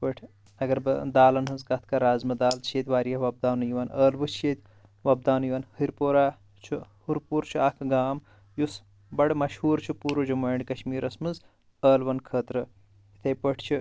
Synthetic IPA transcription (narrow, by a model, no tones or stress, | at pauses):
pəʈʰ | ɐɡɐɾbɐd̪aːlɐnɦɨzkɐt̪ʰkɐɾaːzmɨd̪aːlt͡ʃʰeːt̪ʰʲʋaːɾijɐʋɐb̚d̪aːnujiʋɐnəːlʋɨt͡ʃʰet̪ʲ | ʋɐb̚d̪aːnujiʋɐnhiɾpoːɾaː | t͡ʃʰuhuɾpuːɾt͡ʃʰuakʰɡaːm | jus | bɐɽmɐʃhuːɾt͡ʃʰupuːɾod͡ʒumɐːɳɖkɐʃmiːɾɐsmɨz | əːlʋɐnkʰəːt̪ɾɨ | it̪ʰɐjpəʈʰt͡ʃʰu